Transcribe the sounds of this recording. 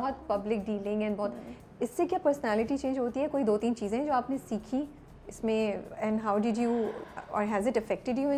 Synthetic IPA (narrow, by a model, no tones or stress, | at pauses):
ɔɦɔt̪̚pɐblɪk̚ɖiːlɪ̃ŋɡɛ̃nbɔːt̪ | ɪsːekjaːpəɾsənæːlɪʈit͡ʃẽːnd͡ʒɦoːt̪iɦɛkoːid̪oːt̪iːnt͡ʃiːzẽɦɛ̃d͡ʒoːaːpnesiːkʰĩ | ɪsmẽɛ̃nɖɦaʊɖɪɖjuɔ̰ːɾɦɛzɪʈɐfɛk̚ʈɪɖjuɪ̃